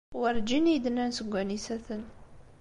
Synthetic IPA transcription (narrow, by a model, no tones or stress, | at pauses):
wəɾd͡ʒinid̪nænsəɡʷːænisæθən